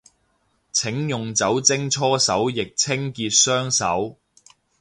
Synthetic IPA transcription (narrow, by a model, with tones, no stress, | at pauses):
t͡sʰɪ˨˥ŋjʊ˨ŋt͡sɐ˨˥wt͡sɪ˥ŋt͡sʰɔː˥sɐ˨˥wjɪ˨k̚t͡sʰɪ˥ŋkiː˧t̚sœː˥ŋsɐ̰˨˥w